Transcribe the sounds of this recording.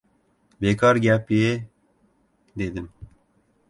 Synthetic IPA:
beːkɑːɾɡʲɛpije | d̪eːd̪ɨn

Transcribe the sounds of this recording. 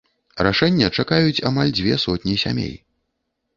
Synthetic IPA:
raʂɛnʲːɐt͡ʂakajut͡sʲamalʲd͡zʲvʲɛsɔt̪ʲnʲisʲa̰mʲḛj

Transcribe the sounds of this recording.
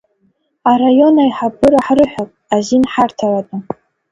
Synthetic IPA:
arajo̞najħabɨɾaħrɨħʷᶣapʼazinħartʰalatʼa

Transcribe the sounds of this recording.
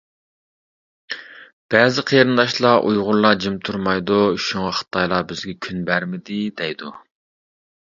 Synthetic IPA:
b̥ɛːzɪqʰeɾɨnd̪ɑʃlˠɑʔṵjʁʊɾlˠɑd͡ʒimt̪ʰuɾmɑjd̪uʃuŋɑχə̥t̪ʰɑjlˠɑbɪzɡʲɛkʲʰynbæɾmɪd̪ɪd̪ɛjd̪u

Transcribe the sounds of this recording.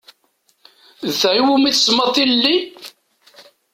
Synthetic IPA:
ðθʕiwumiθsmɑt̪ˤːillːi

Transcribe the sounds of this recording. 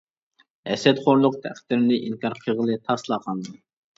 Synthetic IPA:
ɛsɛt̪χoɾlˠʊq̚t̪ʰæqʰt̪ːɪɾɪnɪʔinkʰɑɾqʰəʁəlˠɨt̪ʰɑslˠɑqʰɑnɨ

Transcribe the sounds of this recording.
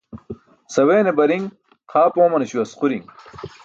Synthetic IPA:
sɐweːnebɐɾiŋ | qʰaːpõːmɐneɕuɐsquɾḭŋ

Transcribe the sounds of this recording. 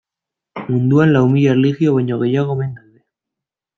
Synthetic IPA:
mũnd̪uanlaumiʎarelixjoβaɲoɣeʎaɣ̞oβend̪anðe

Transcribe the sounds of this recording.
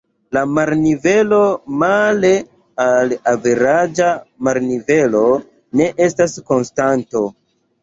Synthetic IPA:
lamaɾnive̞lo̞male | alaveɾad͡ʒamaɾnive̞lo̞ | ne̞ʔe̞stasko̞nstanto

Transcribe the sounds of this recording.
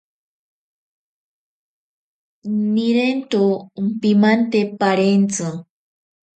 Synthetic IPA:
niɾent̪ompimant̪epaɾent͡sɨ

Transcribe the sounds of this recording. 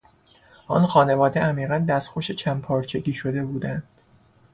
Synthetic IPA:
ʔɒnxɒːne̞vɒːd̪eʔæmiːʁænd̪æst̪xoʃet͡ʃʰæmpʰɒːɾt͡ʃʰeɡʲiːʃo̞d̪e̞buːd̪ænd̪̥

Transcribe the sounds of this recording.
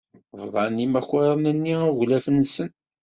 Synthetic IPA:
vðˤɑnːimæçɑɾˤənænːiaɣlæfənsən

